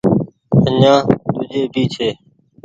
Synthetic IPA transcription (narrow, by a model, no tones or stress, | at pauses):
əɲãːt̪ʊd͡ʒeːbʱiːt͡ʃʰeː